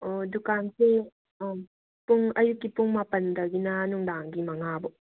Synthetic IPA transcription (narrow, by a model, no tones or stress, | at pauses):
ɔdukanse | puŋɐjukːipuŋmapɐndɐɡinɐnuŋd̪aŋɡimɐŋabɔʔ